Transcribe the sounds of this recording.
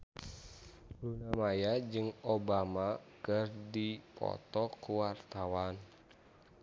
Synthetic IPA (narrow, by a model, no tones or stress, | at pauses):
ɾunamajad͡ʒɨŋobamakərdipɔ̰t̪ɔkuwart̪awan